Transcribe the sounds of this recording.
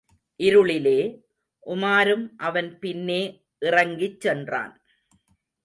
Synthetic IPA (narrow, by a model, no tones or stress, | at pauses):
ʔɪɾɯɭɪleː | ʔʊmaːɾɯmʔɐʋɐnpɪnːeː | ʔɪrɐŋɡɪt͡ʃːɛndra̰ːn